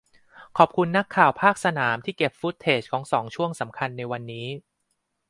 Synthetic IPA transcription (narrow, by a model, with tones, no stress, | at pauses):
kʰɔː˨˩p̚kʰu˧nːa˦˥kʰːaː˨˩wpʰaː˥˩k̚sa˧naː˩˦mt̪ʰiː˥˩ke˨˩p̚fu˦˥t̪ʰːeː˨˩t͡ɕ̚kʰɔː˩˦ŋsɔː˩˦ŋt͡ɕʰu˥˩əŋsa˩˦mkʰa˧nːa˧jwa˧nːiː˦˥